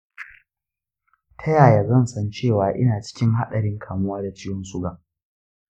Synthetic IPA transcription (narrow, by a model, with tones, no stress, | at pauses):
tʰaɐ˦jaː˨ja˨zɐ˦˨nsɐ˦nt͡ʃeː˦˨waː˨ʔɪ̰˦naː˨t͡ʃɪ̥˦kʲɪ˦ŋha˦ɗɐ˨ɽɪ˦ŋkʰaː˨mʊ˦waː˦da˨t͡ʃɪ˦jɔ˦nsʊ˦ɡaː˨ʔ